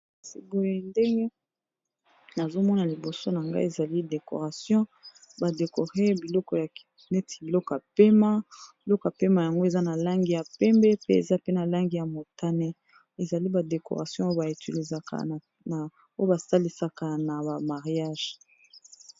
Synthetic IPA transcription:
si˨bo˨e˨ndɛ˦ŋɡe˦ | na˨zo˦mɔ˦na˨li˨bo˨so˦na˨ŋɡa̰˦e˨za˨li˦de˨ko̰˨ʁa˨sjɔ̃˦ | ba˨de˨ko˨ʁe˦bi˨lɔ˦kɔ˨ja˨ | nɛ˦ti̥˨i˨lɔ˦kɔ˨ja˨pe˦ma˦bi˨lɔ˦kɔ˨a˨pe˦ma˨ja˨ŋɡo˦e˨za˦na˨la˦ŋɡi˨ja˨pɛ˦mbɛ˦pe˦ḛ˨za˦pe˦na˨la˦ŋɡi˨ja˨mo˨ta˦ne˦ | e˨za˨li˦ba˨de˨ko̰˨ʁa˨sjɔ̃˦o˦ba˨i˨ti˨li˨za˨ka̰˨ | na˨ | o˦o˦ba˨sa˦li˦sa˨ka˨na˨ba˨ma˨ʁja˦˨ʒ̥

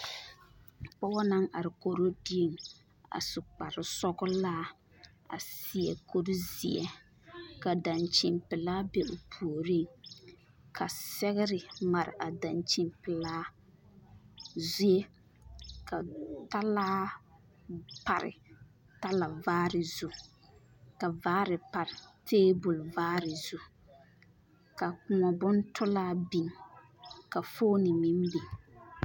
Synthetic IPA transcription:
k͡pɔ˦wɔ˦na˦ŋa˨ɾɪ˨ko˨ɾo˦di˦e˨ŋ | a̰˨sʊ˨k͡pa˨ɾɪ˨sɔ˦ɡʊ˦laː˦ | a̰˨si˨ɛ˨ko˦ɾi˦zi˨ɛ̰˨ | ka˨da˨nt͡ʃɪ˨mpɪ˨laː˦be˦ʔʊ˨pʰu˨o˨ɾi˦˨ŋ | kʰa˨sɛ˦ɣɪ˦ɾɪ˨ma˨ɾɪ̰˨ʔa˨da˨nt͡ʃi˨mpɪ˨laː˦ | zu˦e˦ | ka˨ta˦laː˦ | pa˨ɾɪ̰˨ | ta˦la˨vaː˦ɾɪ˨zu˦ | ka˨vaː˦ɾɪ˨pa˨ɾɪ˨tʰeː˦bʊ˨lʊ˨vaː˦ɾɪ˨z̥u˦ | ka˨kʊ˨ŋɔ˨bʊ˦n˦tʰʊ˦laː˦bi˨ŋ˨ | ka˨foː˦nɪ˨mɪ˦m˦bi˨ŋ

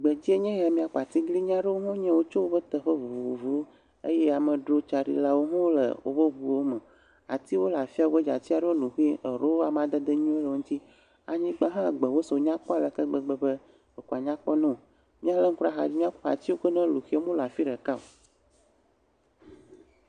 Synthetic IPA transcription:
ɡ͡bə˨d͡ʑi˦e˦ɲɛ̃˦ja˨mĩ˦a˨k͡pa˨t̪i˦ɡli˦ɲ˦ã˦ɖə˦wo˦ɦõ˦ɲɛ̃˦wo˦t͡ʃo˦wo˦bə˦t̪ə˨ɸə˦vu˨vu˨vu˨vu˨wo˦ | ḛ˦je˦a˨mə̃˨ɖɾo˦t͡ʃa˨ɖḭ˨la˦wo˦ɦɔ̃˦wlə̰˨wo̰˦bə˦βu˨wo˦mə̃˨ | a̰˨t̪i˦wo˦la˨fi˦a˨o˦e˦d͡ʒa̰˨t͡ɕi˦a˨ɖə˦wo˦lu˨xi˦ə˨ɾo˦wo˦a˨m˨ã˨d̪ə˦d̪ə˦ɲũ˦e˦lə˨o˨ŋ̩ũ˦t̪i˦ | a̰˨ɲĩ˦ɡ͡ba˦ɦã˦˨ɡ͡bə˨wo˦so˨˦ɲã˦k͡pɔ˦a˦˨lə˨kə˦ɡ͡bə˦ɡ͡bə˨bə˦ | ə˨ku˨a˨ɲã˦k͡pɔ˦nɛ̃˦o˨ | mĩ˦a˨lə˦ŋ̩˦ku˦a˦xa̰˨d͡ʑi˦mĩ˦a˦k͡pa̰˨t͡ɕi˦wo˦kə˦nɛ̃˦lu˨xi˦e˦mõ˦la˨fi˦ɖə˨ka˦o̰˨

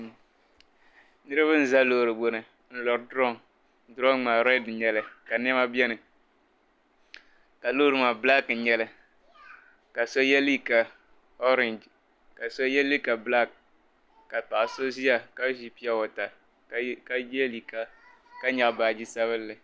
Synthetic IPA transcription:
nɨ˦ɾɨ˦bɨ˦n̩˨za˦loː˦˨ɾɨ˨bo˨nɨ˨ | n̩˨˦lɔ˨ɾdɾɔ˦˨ŋ˦ | dɔ˦ŋŋ͡maː˨ɾɛ˦dɲɛ˨lɨ˦ka˨n˦ɛ˦ma˦bɛ˦nɨ˨ | ka˨loː˦ɾɨ˨maː˨bla˦kɲɛ˦lɨ˦ | ka˨so˦jɛ˦lːi˦ka˨ | ɔ˦ɾɛ˨nd͡ʒ | ka˨so˦jɛ˦li˦ka˨bla˦kː | a˨pa˨ʔso˦zi˦ja˨ka˦ʒi˦pi˦a˦wɔ˨ta˨ | ka˦jli˨ka˦ | ka˦ɲa˨ʔbaː˨d͡ʒi˦sa˦βɨ˦lːɨ˨

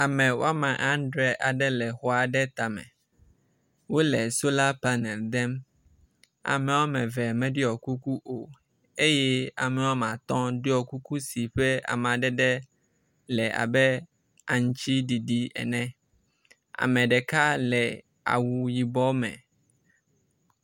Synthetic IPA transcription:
a˨mɛ̃˨wo̰˦a˦mã˨ʔã˦n˦ɖɾɛ˦ʔa˨ɖɛ˦lɛ˨xɔ˨a˨ɖɛ˦t̪a˨mɛ̰̃˨ | wo˦lɛ˨so˦la˦pa˦nɛ˨ld̪ɛ˦m | a̰˨mɛ̃˨wɔ˦mɛ̃˨vɛ˨mɛ̃˨ɖi˦ɔ˨ku˦ku˦ʔo˨ | e˦jɛ˦a̰˨mɛ̃˨wɔ˦mã˨t̪ɔ̃˦ɖe˦ɔ˨ku˦ku˦si˨ɸɛ˦a̰˨m˨ã˨ɖɛ˦ɖɛ˦ | lɛ˨ʔa̰˨bɛ˦ | a˨ŋ˦t͡ɕi˦ɖi˨ɖi˦ɛ̰˨nɛ̃˨ | a̰˨mɛ̃˨ɖɛ˨ka˦lɛ˨ | a̰˨wu˨ji˨bɔ˦mɛ̰̃˨

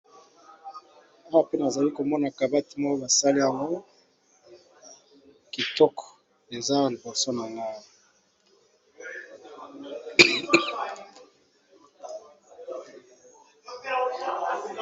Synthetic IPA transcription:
a˦wa˨pe˦na˨za˨li˦ko˨mɔ˦na˨ka˨ba˦ti˨˦mɔ˦o˦ba˨sa˦li˦ja˨ŋɡo˦ | ki˨tɔ˦k | e˨za˦˨li˨bɔ˨so˦na˨ŋɡa˦˨

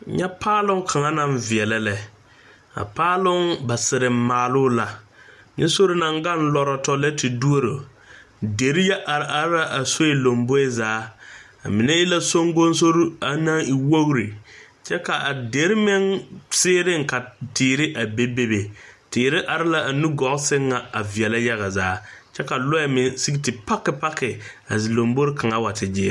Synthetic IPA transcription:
ɲɛ˦pʰaː˦lʊ˦ŋ˦kʰa˨ŋa˦na˦˨mvɪ˨ɛ˨lɛ˦lɛ˨ | a̰˨paː˦lʊ˦ŋba˨sɪ˨ɾɪ˨m˦maː˨lʊ˦la˨ | ɲɪ˦so˦ɾɪ˦na˨ŋɡa˦˨n˦lɔ˨ɾɔ˨tɔ˦lɛ˦tɪ˨du˦o˦ɾo˨ | de˨ɾi˦jɛ˦ʔa˨ɾʔa˨ɾɪ˦la˦ʔa˨so˦e˨lo˨mbo˦ɛ˦zaː˨˦ | a̰˨mɪ˨nɛ˦ɪ˦la˦so˦ŋɡo˦n˦so˦ɾa˨naː˦ŋi˨wo˦ɣɾi˨ | t͡ʃɛ˦ka˨ʔa˨de˨˦ɾmɛ˦ŋsɪː˦ɾɪ˦ŋ˨ka˨tɪː˨ɾɪ˦ʔa˨be˦be˦be˨tɪː˨ɾɪ˦ʔa˨ɾɪ˦la˦˨ʔa˨nu˦ɡɔ˨˦sɪ˦ŋːa˨a˨vi˨ɛ˨la˦ja˦ɣa˨zaː˨˦t͡ʃɛ˦ka˨lʊ˦ɛ˨mɪ˨si˦ɡtɪ˨pa˦kːɪ˨pa˦kːɪ˨ | a̰˨zi˨lo˨mbo˦ɾɪ˦kʰa˨ŋa˦wa˨tʰɪ˨d͡ʒɪ˦ɛ̰˦˨

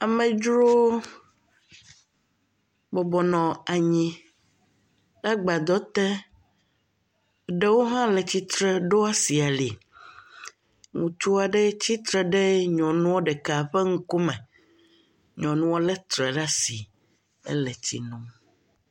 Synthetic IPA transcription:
a˨mɛ̃˨d͡ʒɾo˦ | bɔ˨bɔ˨nɔ̃˨a˨ɲĩ˦ | ɖa˦ɡ͡ba˨d̪ɔ˦t̪ɛ˦ | ɖe˦wo˦ɦã˦lɛ˨t͡ɕi˦t̪ɾɛ˦ɖo˦a˦si˨a˨li˨ | ŋũ˨t̪u˦a˨ɖɛ˦t͡ɕi˦t̪ɾɛ˦ɖɛ˦ɲɔ̃˨nũ˦wo˦ɖɛ˨ka˨ɸɛ˦ŋu˦ko˦mɛ̃˨ | ɲɔ̃˨nũ˦wo˦lɛ˦t̪ɾɛ˨ɖa˦si˨ | ɛ̰˦lɛ˨t͡ɕḭ˦nũ˦m

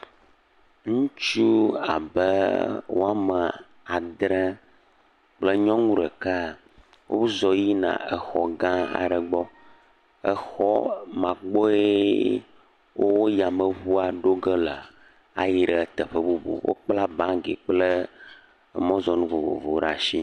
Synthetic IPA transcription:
ŋũ˦t͡ʃu˦a̰˨bə˦wo̰˦a˦mə˨ | a˨d̪ɾɛ˦ | k͡plə˦ɲɔ̃˦ŋũ˦ɖə˨ka˦˨ | wʔo̰˦zɔ˨ji˦nã̰˨ə̰˨xɔ̰˨ɡã˦a̰˨ɖə˨ɡ͡bɔ˦ | ə˨xɔ˦mã˨k͡pɔ˦e˦ | wʔo˦wo˦ja˨mə˨βu˦a˨ɖo˦ɡə˦lə˨ | a˨ji˨ɖə˨t̪ə˨ɸə˦bu˦bo̰˨wʔo̰˦k͡pla˦bã˦ɡḛ˨k͡plə˦˨ | mɔ̃˦zɔ˨nũ˦vo˨vo̰˨vo˨˦ɖa˨ʃi˦

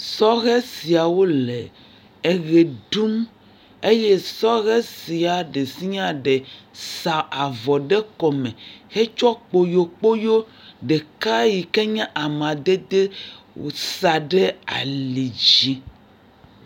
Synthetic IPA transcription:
sɔ˦ɣɛ˦si˨a˨wo˦le˨ | e˨ɣe˨ɖu˦m | e˦je˦sɔ˦ɣɛ˦si˨a˨ɖe˨si˦ɲã˦ɖe˨sa˨a˨vɔ˨ɖɛ˦kɔ˨mẽ˨xe˦t͡ʃɔ˦k͡po˨jo˨k͡po˦jo˦ɖe˨ka˦ji˨ke˦ɲɛ̃˦ʔa˨mã˨d̪e˦d̪e˦ | wo̰˨sa˨ɖe˦a̰˨li˨d͡ʒi˦

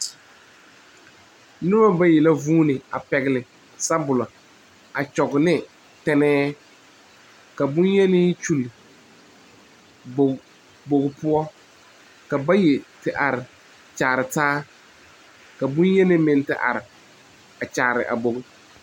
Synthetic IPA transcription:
nʊ˦ba˦ba˦jɛ˨la˦vuː˦nɪ˨a̰˨pɛ˨ɣɪ˨lɪ˨ | sa˦bʊ˨la˨ | a˨t͡ʃɔ˨ɡʊ˨nɪ˦ | tɛ˦nɛː˦ | ka˨bʊ˦njɛ˦nɪ˦t͡ʃu˨lɪ˨ | bo˨ | bo˨ɣʊ˦pʊ˦ɔ˦ | ka˨ba˦je˨tɪ˨ʔa˨ɾɪ˨ | t͡ʃaː˨ɾɪ˨taː˦ | ka˨bʊ˦njɛ˦nɪ˦mɪ˨ntɪ˨ʔa̰˨ɾɪ˨ | a˨t͡ʃaː˨ɾɪ̰˨ʔa̰˨bo˨ɣʊ˦

